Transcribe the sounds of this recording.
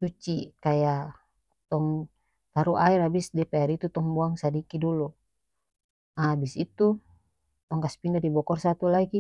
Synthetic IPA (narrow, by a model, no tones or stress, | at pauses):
sut͡ʃikaja | t̪ɔŋ | t̪aɾuʔaiɾabisdɛpɛaɾit̪ut̪ɔŋbuaŋsadikidulu | abisit̪u | t̪ɔŋkaspindadibɔkɔrsat̪ulaɡi